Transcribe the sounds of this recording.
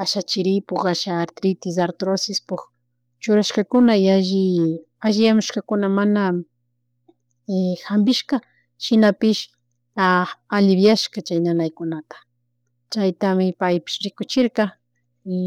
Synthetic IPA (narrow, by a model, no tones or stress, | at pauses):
aʃat͡ʃɪɾɪpoχaʃaːɾt̪ɾɪt̪ɪs̬aɾt̪ɾosɪspʊk | t͡ʃʊɾaʃkakʊnajaʒɪ | aʒɪjamʊʃkakʊnamana | ehambɪʃka | ʃɪnapɪʃ | aalɪbjaʃkat͡ʃajnanajkʊnat̪ḁ | t͡ʃajt̪amɪpajpɪ̥ʃɾɪkʊt͡ʃɪɾqɑ